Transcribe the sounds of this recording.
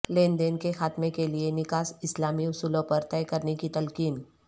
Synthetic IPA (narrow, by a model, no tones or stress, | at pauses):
lẽːnd̪eːnkexaːt̪mẽkelienɪkaːsɪslaːmiʊsuːlõpɐɾt̪ɛjkɐɾnekit̪ɐlkiːn